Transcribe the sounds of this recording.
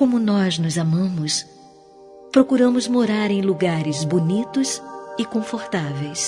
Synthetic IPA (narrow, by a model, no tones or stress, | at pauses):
kõmʊnɔznʊzamɐ̃mʊs | pɾokuɾɐ̃mʊzmoɾaɾẽj̃luɡaɾɪzbonit̪ʊsɪkõfoɾt̪avejs